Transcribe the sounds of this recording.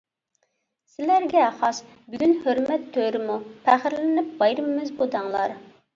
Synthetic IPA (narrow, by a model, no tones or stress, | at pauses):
sɪlæɾɡʲɛχɑs | byɡʲynhøɾmɛt̪ʰːøɾɪmupʰæχɪɾlɪnɪp̚bɑjɾɨmːɪzbud̪ɑŋlˠɑɾ